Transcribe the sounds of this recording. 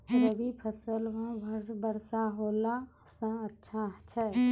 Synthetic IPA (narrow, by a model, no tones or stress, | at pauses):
ɾəbipʰəsəlɦə̃bəbəɾsaɦola | sə̃ətːʃʰat͡ʃʰɛ